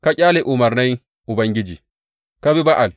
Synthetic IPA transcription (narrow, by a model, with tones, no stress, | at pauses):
ka˦cʲʼaː˦lɛ˨ʔu˨ma˨ɾna˦j | u˨ba˨ŋɡi˦d͡ʒi˨ | ka˦bi˦ba˦ʔa˨l